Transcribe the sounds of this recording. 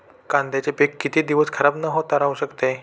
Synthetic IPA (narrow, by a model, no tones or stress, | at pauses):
kãnd̪ʱjat͡ɕepekːit̪iːd̪iʋəskʰəɾabnəɦot̪aɾauɕəkt̪e